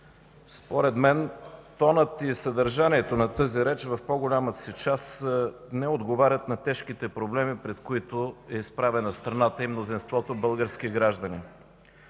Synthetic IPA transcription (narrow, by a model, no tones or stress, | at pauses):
spoɾɛd̪mɛnt̪ɔnət̪isəd̪əɾʒaniɛt̪onɐt̪ɤziɾɛt͡ʃvɐfpoɡolʲamət̪sit͡ʃasnɛod̪ɡovaɾʲət̪nɐt̪ɛʃkit̪ɛpɾoblɛmipɾɛt̪koit̪oɛispɾavɛnɐst̪ɾɐnat̪əimnozinst̪vɔt̪obɤlˠɡəɾskiɡɾaʒd̪əni